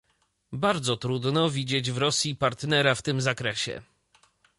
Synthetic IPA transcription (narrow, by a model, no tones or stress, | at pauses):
baɾd̪zɔt̪ɾud̪nɔvʲid͡ʑed͡ʑvɾɔsʲjipaɾt̪nɛɾaft̪ɘmzakɾɛɕɛ̰